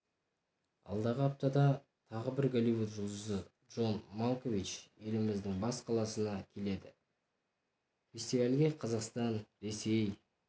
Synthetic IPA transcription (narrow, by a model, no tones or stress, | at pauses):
ɑ̰lˠd̪ɑʁəɑp̚t̪ɑd̪ɑ | t̪ʰɑʁəbɪɾɡolivut̪ʒʊlˠd̪əzədʒo̞nmolˠkovit͡ʃe̞lɪmɪzd̪ɪŋbɑsqʰɑlˠɑsənɑkʲʰe̞le̞d̪ɪ | fʲe̞st̪ivalʲɡʲe̞qʰɑzɑqst̪ɑnɾe̞se̞j